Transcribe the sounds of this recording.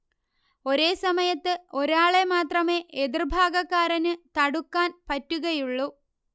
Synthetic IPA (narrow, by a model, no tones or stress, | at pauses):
o̞ɾe̞ːsɐmɐjɐt̪ːɨo̞ɾaːɭe̞maːt̪rɐme̞ːʔeðirbʱaːɡɐkːaːɾɐnɨt̪ɐɽukːaːnpɐtːuɣɐjuɭːu